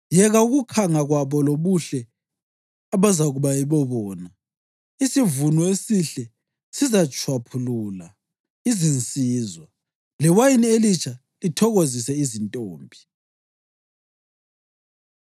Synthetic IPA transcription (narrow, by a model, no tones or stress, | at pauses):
jɛɣauɣukʰaŋaɣwaβɔloβuɬɛ | aβazaɣuβajiβɔβɔːna | isivunɔesiɬɛ | sizat͡ʃʰʼwapʰuluːla | izint͡sʼiːzwa | lɛwajinielit͡ʃʰʼa | litʰɔɣozisɛizintʼoːmbʱi